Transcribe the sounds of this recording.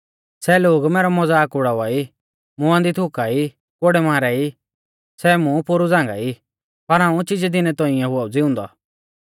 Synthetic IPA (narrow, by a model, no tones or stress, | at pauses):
sɛloːɡmɛːɾɔmɔd͡zaːkʊɽaʋai | mʊãnd̪it̪ʰʊkai | koɽɛmãːɾɛi | sɛmũpʊɾud͡zãːŋɡa̰i | pɐɾɦãːũt͡ʃɪd͡ʒɛd̪ɪnɛt̪ɔ̃ɪ̃jãɦʊaːud͡zɪʊ̃ːnd̪ɔ̰